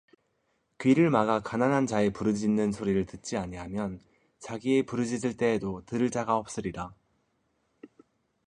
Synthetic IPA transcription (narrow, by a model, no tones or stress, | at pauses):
kɥiɾɯɭmaɡakananɦant͡ɕae̞puɾɯd͡ʑiinːɯnsʰoɾiɾɯɭtɯt̚t͡ɕ͈iaɲiɦamjʌn | t͡ɕaɡie̞puɾɯd͡ʑisɯɭt͈e̞ːdotɯɾɯɭt͡ɕ͈aɡaʌp̚s͈ɯɾida